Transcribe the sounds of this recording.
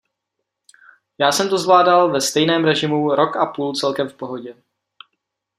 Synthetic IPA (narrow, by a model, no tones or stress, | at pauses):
jaːsɛmt̪uzvlaːdalvɛst̪ɛjnɛːmɾɛʒɪmuɾo̞kapuːlt͡sɛlkɛmfpo̞ɦo̞ɟɛ